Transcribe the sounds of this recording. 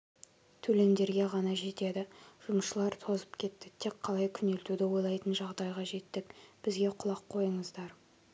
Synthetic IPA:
t̪ʰɵle̞nd̪e̞ɾɡʲe̞ʁɑnɑʒe̞t̪e̞d̪ɪʒ̥ʊmʃəlˠɑɾt̪ʰo̞zəpkʲʰe̞t̪ːɪt̪ʰekqʰɑlˠɑjkʲʰʏne̞lt̪ud̪ɪwo̞jlˠɑjt̪ənʒɑʁd̪ɑjʁɑʒe̞t̪ːɪkb̥ɪzɡʲe̞qʰʊlˠɑqʰːo̞jəɴəzd̪ɑɾ

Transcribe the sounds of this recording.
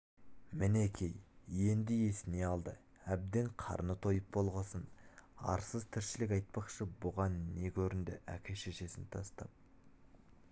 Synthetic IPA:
mɪnekʲʰe̞jje̞nd̪ɪe̞sɪne̞ɑlˠd̪ə̰ | æb̚d̪eɴqʰɑ̰ɾnət̪ʰo̞jəp̚bo̞lˠʁəsənɑ̰ɾsəzt̪ʰɪɾʃɪlɪkʲɑjt̪̚pɑqʃəbʊʁɑnːe̞kʲʰɵɾɪnd̪ɪ̰ʔækʲʰeʃeʃe̞sɪnt̪ʰɑst̪ɑ̰p̚

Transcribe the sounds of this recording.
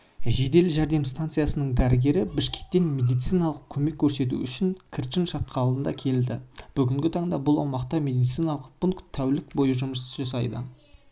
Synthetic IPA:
ʒe̞d̪e̞lʒæɾd̪e̞mst̪ant̪sɨjasənəɴd̪æɾɪɡʲe̞ɾɪbɪʃkʲe̥k̚t̪e̞nme̞d̪ijt̪sijnɑlˠəq̚kʲʰɵme̞kʲʰːɵɾse̞t̪̬ṵʏʃɪŋkʲʰɪɾʃɪnʃɑt̪̚qɑɑlˠd̪ənd̪ɑ̰kʲʰe̞ld̪ɪb̥ʏɡʲɪŋɡʲɪt̪ʰɑɴd̪ɑbʊlˠɑwmɑqt̪ɑmʲe̞d̪ijt̪sijnɑlˠəq̚pʊŋkt̪ʰːæwlɪkbo̞jəʒʊməsʒɑs̬ɑ̰jd̪ə̰

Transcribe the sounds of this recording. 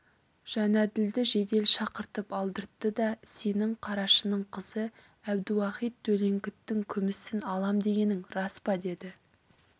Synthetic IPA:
ʒ̥ænæd̪ɪld̪ɪʒe̞d̪e̞lʃɑqəɾt̪əpɑlˠd̪əɾt̪ːəd̪ɑse̞nɪŋqʰɑɾɑʃənəɴqʰəzə | æbd̪ɪwɑqijt̪̚t̪ʰːɵle̞ŋkʲɪt̪ːɪŋkʲʰʏmɪsɪnɑlˠɑmd̪e̞ɡʲe̞nɪŋɾɑspɑd̪e̞d̪ɪ

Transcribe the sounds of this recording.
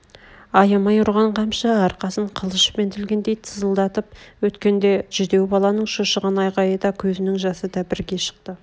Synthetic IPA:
ɑjɑmɑjʊɾʁɑɴqʰɑmʃɑɑɾqɑsəɴqʰəlˠəʃpe̞nt̪ʰɪlɡʲe̞nd̪ejt̪ʰəzəlˠd̪ɑt̪əp̚wɵt̪kʲe̞nd̪e̞ʒ̥ʏd̪e̞wbɑlˠɑnəɴʃoʃəʁɑnɑjqɑjəd̪ɑkʲʰɵzɪnɪŋʒɑsəd̪ɑbɪɾɡʲe̞ʃə̥q̚t̪ə

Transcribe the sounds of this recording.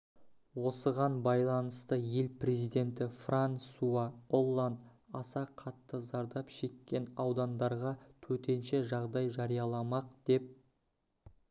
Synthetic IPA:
wo̞səʁɑnbɑjlˠɑnəst̪əje̞lpre̞zijd̪e̞nt̪ɪfransuaolˠːand̪ | ɑsɑqʰɑt̪ːəzɑɾd̪ɑpʃe̞kkʲːe̞nɑwd̪ɑnd̪ɑɾʁɑt̪ʰɵt̪e̞nʃe̞ʒɑʁd̪ɑjʒɑɾijɑlˠɑmɑqd̪̥e̞p̚

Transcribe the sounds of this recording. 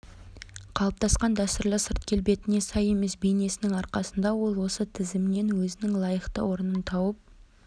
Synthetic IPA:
qʰɑlˠəp̚t̪ʰɑsqɑnd̪æst̪ʊɾlˠəsəɾt̪̚kʲʰe̞lbe̞t̪ɪne̞sɑje̞me̞sbe̞jne̞sɪnɪŋɑɾqɑsənd̪ɑwo̞lˠwo̞sət̪ʰɪzɪmne̞nwɵzɪnɪŋlˠɑjəqt̪ə̰wo̞ɾənənt̪ʰɑwəp̚

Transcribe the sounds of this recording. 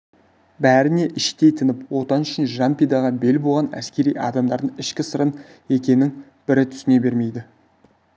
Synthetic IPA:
bæɾɪne̞ʔɪʃt̪e̞jt̪ʰɪnɪpwo̞t̪ɑnʏʃɪnʒɑmpʲid̪ɑʁɑbe̞lbolˠʁɑnæ̰skʲe̞ɾijʔɑ̰d̪ɑmd̪ɑɾd̪əɴɪʃkʲɪsəɾən | e̞kʲe̞nːɪŋ | b̥ɪɾɪt̪ʰʏ̥sɪne̞be̞ɾme̞jd̪ɪ

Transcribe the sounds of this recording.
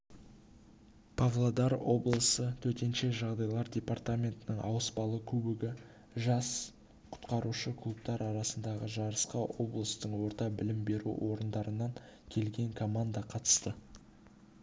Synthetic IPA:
pʰavlˠod̪ɑɾo̞blˠəsət̪ʰɵt̪e̞nʃe̞ʒɑʁd̪ɑjlˠɑɾdʲe̞part̪amʲe̞nt̪ɪnəɴʔɑ̰wəspɑlˠəkʲʰɵbɪɡʲɪ | ʒɑs | qʰʊ̥t̪qɑɾuʃəkʰlˠup̚t̪ɑɾɑɾɑsənd̪ɑʁəʒɑɾəsqɑʔo̞blˠəst̪əɴwo̞ɾt̪ɑbɪlɪmbe̞ɾṵwʔo̞ɾənd̪ɑɾənɑŋkʲʰe̞lɡʲe̞ŋkʰo̞mand̪ɑqʰɑt̪ə̥st̪ə

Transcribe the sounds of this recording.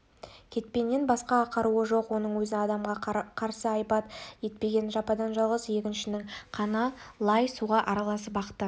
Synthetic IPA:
kʲʰe̞t̪̚pe̞nːenbɑsqɑːqʰɑɾuəʒo̞qwo̞nəɴwɵzɪɑd̪ɑmʁɑqʰɑɾsəɑjpɑt̪je̞t̪̚pe̞ɡʲe̞nʒɑpɑd̪ɑnʒɑlˠʁəzje̞kʲɪnʃɪnɪŋqʰɑnɑlˠɑjsuʁɑʔɑɾɑlˠɑsəpbɑqə̥t̪ːə

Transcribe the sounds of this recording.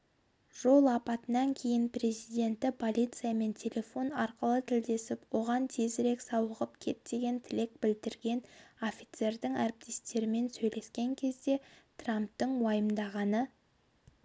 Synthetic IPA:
ʒ̥o̞lˠɑpɑt̪ənɑŋkʲʰe̞jɪnpre̞zijd̪ʲe̞nt̪ːɪpʰo̞lʲijt̪sɨjame̞nt̪ʲʰe̞lʲe̞fo̞nɑɾqəlˠət̪ʰɪld̪e̞sɪpwo̞ʁɑnt̪ʰe̞zɪɾe̞ksɑwəʁəpkʲʰe̞̰t̪̚d̪e̞ɡʲe̞nt̪ʰɪle̞k̚bɪld̪ɪɾɡʲe̞no̞fʲit̪se̞ɾd̪ɪŋæɾɪp̚t̪e̞st̪e̞ɾɪme̞nsɵjle̞skʲe̞ŋkʲʰe̞zd̪e̞t̪ramp̚t̪əɴwɑjəmd̪ɑʁɑnə

